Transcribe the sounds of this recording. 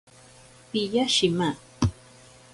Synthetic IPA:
pɪʎaʃɪma

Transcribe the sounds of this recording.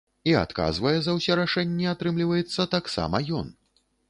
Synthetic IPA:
ia̰t̪ka̰zvɐjɛzɐwsʲɛɾaʂɛnʲːɛat̪ɾɨmlʲivɐjɛt̪sːɐt̪aksa̰mɐjɔn

